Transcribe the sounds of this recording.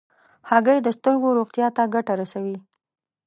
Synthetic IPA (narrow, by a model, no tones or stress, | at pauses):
haɡəjd̪əst̪əɾɡoɾoɣt̪jɑt̪aɡaʈaɾasawi